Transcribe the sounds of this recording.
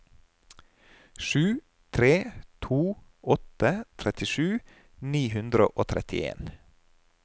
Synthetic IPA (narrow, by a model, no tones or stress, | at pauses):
ʃʉː | t̪ʰɾeːt̪ʰuː | ɔt̪ət̪ʰɾɛt̪ɪʃʉː | niːɦʉnd̪ɾə̰ʔoːt̪ʰɾɛt̪ɪ̰ḛːn